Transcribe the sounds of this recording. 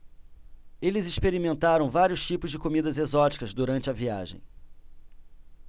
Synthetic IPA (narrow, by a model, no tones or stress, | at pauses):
elɪzɪʃpeɾimẽnt̪aɾɐ̃w̃vaɾjʊst͡ʃipʊzd͡ʒɪkomid̪ɐzezɔt͡ʃi̥kɐzd̪uɾɐ̃nt͡ʃɪɐvia̰ʒḛ̃j̃